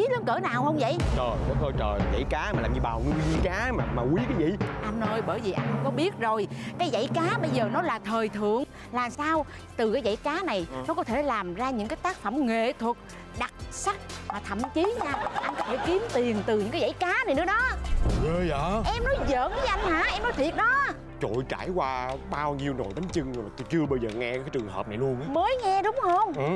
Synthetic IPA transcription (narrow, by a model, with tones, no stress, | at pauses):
i˨˦lə˨˦ŋkəː˧˩naː˨˩whə˧wŋ͡mvə̰˧˨jʔt͡ɕəː˨˩jnɔ˨˦t̪o˧˩jt͡ɕəː˨˩za̰˧˨jkaː˨˦maː˨aː˨˩mɲi˧ɓaː˨˩wŋɨ˧ɲi˧kaː˨˦maː˨˩maː˨˩wi˨˦kaː˨˦jvḭ˧˨ʔa˧ŋnoː˧jɓəː˧˩jvi˨˩ʔa˧jŋ˧kɔ˨˦ɓi˦˥ət̚zo˨˩jkaː˨˦jza̰˧˥˨jkaː˨˦ɓə˧jzəː˨˩nɔ˨˦laː˨˩t̪ʰəː˨˩jt̪ʰɨ̰˧˨əŋ | laː˨˩msaː˧w | t̪ɨ˨˩kaː˨˦jza̰˧˩˨jkaː˨˦na˨˩jnɔ˨˦˥kɔ˨˦t̪ʰe˧˩laː˨˩mzaː˧ɲɨ̰˧˥ŋkaː˨˦jt̪aː˦˥k̚fə˧˩mŋḛ˧˨t̪ʰwə˨˩t̚ | ɗa˨˩t̚sa˦˥t̚vaː˨˩t̪ʰə̰˧˨mt͡ɕi˨˦ɲaː˧ʔa˧jn̟kɔ˨˦t̪ʰe˧˩ki˨˦əmt̪i˨˩əŋt̪ɨ˨˩ɲɨ̰˧˥ŋkaː˨˦za̰˧˨jkaː˨˦na˨˩jnɨ̰˨˦˥ə˥ɗɔ˨˦əː˧jʔəː˧˩ʔɛ˧mnɔ˨˦jzə̰ː˧˨nː˨˦ʔa˧jŋ̟haː˧˩˨ʔɛ˧mnɔ˨˦jt̪ʰi˨˩ət̚ɗɔ˨˦ | t͡ɕo̰˧˨jt͡ɕaː˧˩jkwaː˧ɓaː˧wɲi˧əwno̰˨˩jɓa˨˦ŋ̟t͡ɕɨ˧ŋ˧maː˨˩t̪u˧t͡ɕɨ˧əɓə˧jzəː˨˩ŋɛ˧kaː˨˦jt͡ɕɨ˨˩əŋɦə̰ː˨˩p̚na˨˩jlu˧ənʔaː˦məː˨˦jŋɛ˧ɗʊ˨˦ŋ͡mhə˧ŋ͡mʔ